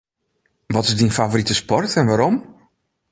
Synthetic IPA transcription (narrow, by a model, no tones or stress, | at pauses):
ʋɔtɪzdinfavoɾitəspɔrtʰɛnʋaɾɔm